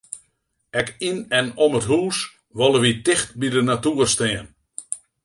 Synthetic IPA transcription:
ɛkinɛnomətɦuːs | ʋɔlˠəʋitɪxt̚bidənatuːərstɛən

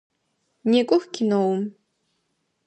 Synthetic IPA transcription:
neːkʷʼʊxkʲʰɪnowʊm

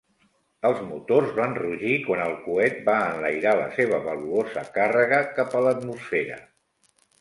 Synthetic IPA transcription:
əlˠzmut̪ozβanruʒikwanəlˠkuɛt̪̚baənləjɾalə̰seβ̞əβəluozəkarəɣəkapələt̪musfeɾə̰

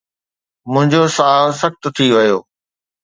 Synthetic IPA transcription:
mʊ̃ɦɪ̃ɲd͡ʑosaːsɐxt̪ʊ̆t̪ʰiʋɐjoː

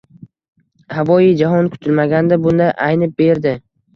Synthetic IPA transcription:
havɒjid͡ʒaɦɒnkʰʊ̥t̪ʰɪlmaɡʲand̪abʊnd̪ajʔajnɪp̚be̞ɾd̪ɪ

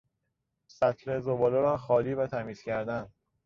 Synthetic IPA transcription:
sæt̪ʰɾezobɒːloɾɒːxɒːliːvæt̪ʰæmiːz̥cʰæɾd̪æn

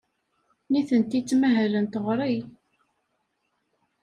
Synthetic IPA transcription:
niθənt̪it͡sːmæɦælənt̪əʁɾˤij

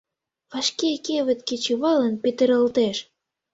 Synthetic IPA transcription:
βɑʃkekeβɘ̆t̪̚ket͡ɕuβɑlə̆npet̪ə̆ɾə̆lt̪eʃ

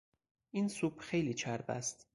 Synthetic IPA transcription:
ʔiːnsuːb̥xe̞jliːt͡ʃʰæɾbæ̰st̪

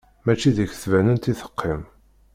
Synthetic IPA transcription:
mæt͡ʃːiðəçθvænənt̪iθə̥qːim

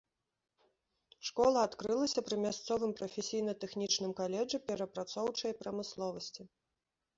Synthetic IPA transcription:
ʂkɔlˠɐat̪kɾɨlˠɐsʲɐpɾɨmʲast̪sɔvɨmpɾɐfʲesʲijnɐt̪ɛxnʲit͡ʂnɨmkalʲɛd͡ʐɨpʲɛɾɐpɾat̪sɔwt͡ʂɐjɐpɾɐmɨslˠɔvɐsʲt͡sʲi

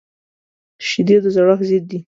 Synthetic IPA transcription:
ʃid̪ed̪əzaɽaxzid̪̚d̪i

